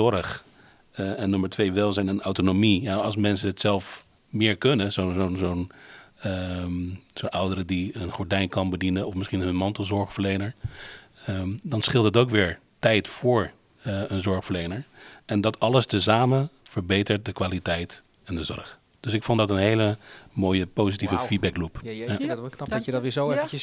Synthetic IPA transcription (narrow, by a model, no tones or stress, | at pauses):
ɔrəχ | ɛnːøməɹtʋejʋɛlˠzɛjnənawtonomijaɑlˠsmɛnsəɦətsɛlˠf | mɪːɹkɵnəzonzonzown | zonʔʌwdəɾədiənχɔɹdɛjnkɑnbədinənɔfmɪsχinɦɵnmɑntəlˠzɔɹχfəɹlejnəɹ | ədɑnsχɪlˠtətowkʋɪːɹ | tɛjtfʊːɹ | ənzɔɹχfəɹlejnəɹɛndɑtɑləstəzaːmənv̥əɹbejtəɹt̚dəkʋaːlitɛjt | ɛndəzɔ̰ɹχ | d̥øsɪkfɔndɑtənɦejləmoːjəpowzitivəfid̚bɛklupː | kədtɪzoɛə